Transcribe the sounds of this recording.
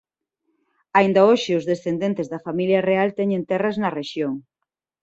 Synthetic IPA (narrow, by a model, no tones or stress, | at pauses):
aind̪ɐoʃɪʊzðesθend̪ent̪ɪzðɐfamiljɐrealt̪ɛɲent̪ɛrɐznɐreʃjoŋ